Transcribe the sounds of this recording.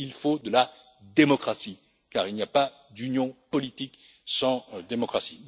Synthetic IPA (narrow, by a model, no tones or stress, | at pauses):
ilfod̪əla | d̪emɔkχasi | kaʁilnijapa | d̪ynjɔ̃pɔlit̪ik | sɑ̃d̪emɔkχasi̥